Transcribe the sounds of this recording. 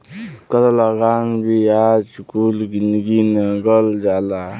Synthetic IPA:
kət̪alaɡaŋbʱiad͡ʒkulɡinɡinɡʌld͡ʒala

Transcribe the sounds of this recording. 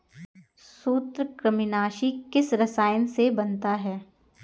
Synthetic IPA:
ssuːt̪ɾəkɾəmɪnaːʃikɪsɾɐsaːɪənsebɐnt̪aɦɛː

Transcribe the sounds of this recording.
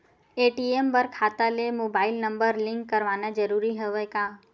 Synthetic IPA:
eʈiembəɾkʰat̪alemobailnəmbəɾlɪ̃ŋkːəɾʋanad͡ʒəɾuɾiɦəʋekã

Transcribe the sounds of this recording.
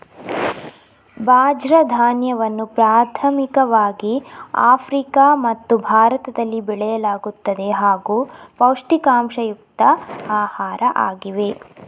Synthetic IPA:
bʱaːd͡ʒɾɐd̪ʱaːnjɐʋɐnːupɾaːt̪ʰɐmikɐʋaːɡiaːpʰɾikaːmɐt̪ːubʱaːɾɐt̪ɐd̪ɐlːibɛɭɛjɐlaːɡut̪ːɐd̪e̞ɦaːɡuːpɐwʂʈikaːmʂɐjuk̚t̪ɐaːhaːɾɐʔa̰ːɡiʋe

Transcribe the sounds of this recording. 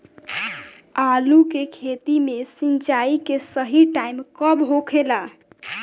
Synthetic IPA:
alukekʰet̪imesint͡ʃaikesəɦiʈaimkəbɦokʰela

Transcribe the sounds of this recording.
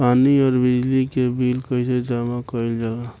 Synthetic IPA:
paːniɔːɾbɪd͡ʒlikebilkəɪsed͡ʒamakɔild͡ʒala

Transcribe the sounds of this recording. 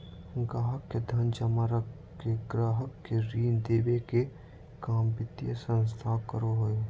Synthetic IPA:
ɡɾaːɦəkːed̪ʱɐnd͡ʒɐmaɾək | keɡɾaːɦəkːeɾiːnd̪eːbeke | kaːmbɪt̪ːiəsə̃ns̬t̪ʰaːkəɾoɦoe

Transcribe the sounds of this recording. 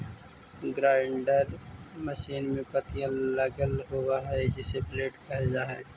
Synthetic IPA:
ɡɾaːɪɳɖəɾməʃiːnmẽpət̪ijãləɡəlɦowaɦɛd͡ʒɪsepleːʈkɐɦd͡ʒaːɦɛ̰ː

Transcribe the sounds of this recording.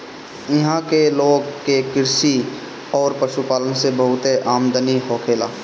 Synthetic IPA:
ɪɦãkeloːɡkekɪɾsi | ɔːɾpɐʃupaːlənsebəɦʊt̪eʔaːmd̪əniɦoːkʰeːlaː

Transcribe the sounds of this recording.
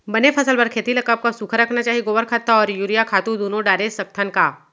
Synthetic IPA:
bɐnepʰɐsəlbɐɾkʰeːt̪ilɐkəp̚kasukʰəɾɐkʰnat͡ʃaːɦiɡoːʋəɾkʰat̪ːaɔːɾjuːɾijakʰaːt̪ud̪oːnõɖaːɾesɐk̚t̪ʰənkaː

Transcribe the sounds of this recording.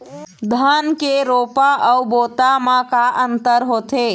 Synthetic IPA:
d̪ʱənkeɾopaʔəubot̪amakaʔənt̪əɾɦot̪e

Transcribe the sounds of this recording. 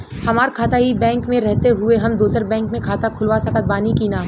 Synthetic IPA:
hɐmaːɾkʰaːt̪aɦibɛ̃ːŋkmẽɾɛɦt̪eɦʊeɦɐmd̪uːsəɾbɛ̃ːŋkmẽkʰaːt̪akʰʊlʋasɐkət̪̚baːnikiːnaː

